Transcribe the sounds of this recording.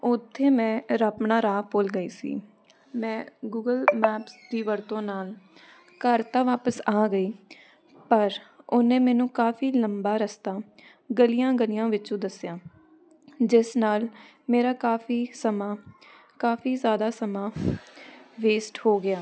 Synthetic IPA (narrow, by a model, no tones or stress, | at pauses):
ʊt̪ʰːeːmɛ̃ːɾəpɳaːɾaːpoːlɡəiːsḭː | mɛ̃ːɡuːɡəlmɛːpsd̪iːʋəɾt̪õːnaːl | kəɾt̪ãːʋaːpəsaːɡəiː | pəɾʊnẽːmɛːnũːkaːfiːləmbaːɾəst̪aː | ɡəlɪjãːɡəlɪjãːʋɪt͡ʃũːd̪əsɪjãː | d͡ʒɪsnaːl | meːɾaːkaːfiːsəmaː | kaːfiːzjaːd̪aːsəmãː | ʋeːsʈhoːɡɪjaː